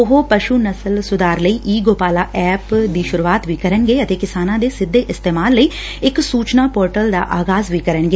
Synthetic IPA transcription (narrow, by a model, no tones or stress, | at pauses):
ʊɦopəʃuːnəsəlsʊd̪aːɾləiːʔiːɡoːpaːlaːʔɛːpd̪iːʃʊɾuːaːt̪ʋiːkəɾənɡeːət̪eːkɪsaːnãːd̪eːsɪd̪ʱːeːʔɪst̪eːmaːlːəiː | ɪksuːt͡ʃnaːpoːɾʈəld̪a̰ːʔaːɡaːzʋiːkəɾənɡeː